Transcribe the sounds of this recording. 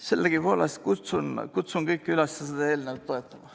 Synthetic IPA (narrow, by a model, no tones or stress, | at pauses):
selːeɡ̥ipoːlɑst̪kut̪sunkut̪sunɡɤjkːylɑst̪jɑsed̪̥ɑeːlneʋɑt̪ːoet̪ːˑɑmɑ